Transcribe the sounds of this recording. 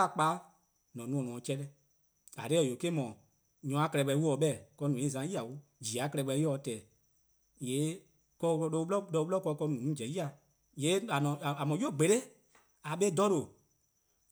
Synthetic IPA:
a˨k͡paː˨˦ | nɔ̃˨nũ˧ɔ̃˨nɔ̃˨˦t͡ʃɛ˧˦ɾɛ˦ | a̰˨ɾe˦˨jo˨ke˦mɔ̃˨ | ɲɔ̃˨˦a˦kɾɛ˧ɓɛ˧˦wu˦ɔ˨ɓɛ˦˨kɔ˧nũ˨ĩ˦˨zã˨˦ji˦a˨wo˦d͡ʒi˨a˨˦kɛ˧ɾɛ˧ɓɛ˧˦jɔ˦˧˨tɛː˨ | jeː˨˦ | kɔ˧˦˧ɔ˧ɓlɔ˦dɔ˧u˧ɓlɔ˦kɔ˧kɔ˧nũ˨˦d͡ʒɛ̃˨˦ji˦a˨ | jeː˨˦a˨nɔ̃˨a˨mɔ̃˨jo˦˨ɡ͡be˨ɾe˦ | a˨ɓe˦dɔ˦ɾo˨

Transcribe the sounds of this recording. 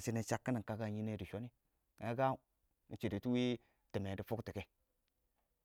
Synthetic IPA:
si˨˦ni˨t͡ʃa˨˦kːi˦ni˨ŋ˨ka˦ɡa˦˨ɲi˦ne˦di˨ʃo˦ni˦ | e˦ɡa˦˨ | n̩˨t͡ʃe˨de˨tu˦wi˦ | ti˨me˨di˦fu˦kti˨ke˦

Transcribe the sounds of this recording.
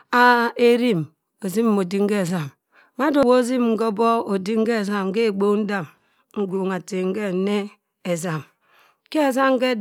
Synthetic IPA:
a˦e˦ɾi˦m | o˨zi˦m˦mo˨di˦ŋ̩˦ke˦˨za˨m | ma˦do˨wo˦zi˦m˨ŋ̩˦ko˦bo˦o˨di˦ŋ̩˦ke˦˨za˨m̩˦ke˦˨ɡ͡bo˦n̩˦da˦˨m | ŋ̩˦ɡo˨ŋ˨a˨te˨ŋ̩˦ke˦˨˦ne˦ | e˨za˨m | ke˦e˨za˦m˦ke˦

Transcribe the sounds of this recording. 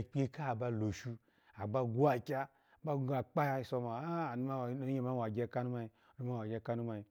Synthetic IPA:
k͡pʲe˧ka˦˨ba˧lo˨ʃu˧ | a˨ɡ͡ba˧ɡu˦a˨kʲa˦˨ | ba˦ɡa˨k͡pa˦ja˧˨so˧ma˨a˦˨n˦ma˦˨˦ɲe˦ma˦wa˨ɡʲa˦˧˨ka˦nu˦ma˧i˧ | o˦i˦ma˦wa˨ɡʲe˧˨ka˧nu˦ma˧i˧

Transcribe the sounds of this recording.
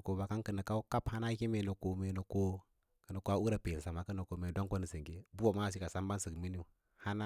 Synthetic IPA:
ko˨ba˨ka˦nkə˨nə˨ka˦u˦ka˦pha˦na˦ki˦me˨no˨ko˨me˨no˨ko˦ | kə˨na˨ko˨˦a˦u˦ɾa˨pe˨lsa˨ma˨kə˦no˨ko˨me˨do˦ŋko˦nə˨si˨ŋɡe˦bu˦a˨ma˦˨s̬i˦ka˨sa˦mba˦nsə˨kmi˦ni˦˨ | ha˦na˦

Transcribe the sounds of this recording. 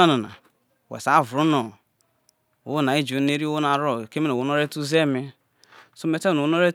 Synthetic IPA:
a˦na˨na̰˨ | wḛ˨sa˨˦˨vɾu˦no˨ | wna˨i˦d͡ʒo˨˦ne˦ɾi˦o˦o˦na˨ɾo˦˨ke˦me˦no˨wo˨no˦ɾe˦tu˦ze˦˨me˦ | so˦me˨te˦˨no˨o˨˦no˦ɾe˦

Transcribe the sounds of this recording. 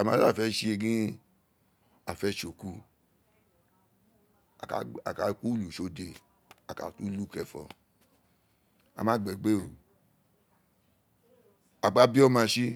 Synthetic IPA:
a˨mã˦a˦˨fɛ˦ʃi˦e˧ɡĩ˦ | a˨fɛ˦ʃo˨ku˦ | a˨ka˨ka˨˦ku˦lu˨ʃo˨˧de˨ | a˨ka̰˨tu˦lu˦˨kɛ˧˨fɔ̰˧ | a̰˨mã˨˦˨ɡ͡bɛ˨ɡ͡be˦o˨ | a˨ɡ͡ba˦bi˦ɔ˦mã˧ʃi˦

